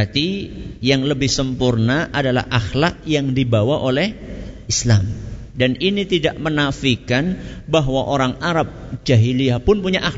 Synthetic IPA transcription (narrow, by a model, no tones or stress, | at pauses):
at̪ijaŋləbɪhsəmpurnaʔadala̰hʔaxlak̚jaŋdibawaʔolɛhislamdaninit̪idaʔmənafikanbaɦwaʔoɾaŋaɾap̚d͡ʒaɦiliapʊnpuɲaʔa